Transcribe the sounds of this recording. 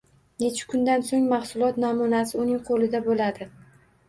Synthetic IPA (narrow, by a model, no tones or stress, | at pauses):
net͡ʃʰʊ̥kʰʊnd̪ansoŋmɑχsʊlˠɒt̪namʊnasɪʊnɪŋqʰolɪd̪abolad̪ɪ